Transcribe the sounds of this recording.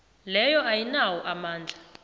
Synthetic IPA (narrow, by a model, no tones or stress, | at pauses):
lɛjɔajinawɔʔamaːnd͡ɮʱa